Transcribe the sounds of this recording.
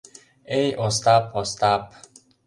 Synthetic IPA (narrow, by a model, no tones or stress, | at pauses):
ejʔost̪apʰost̪ap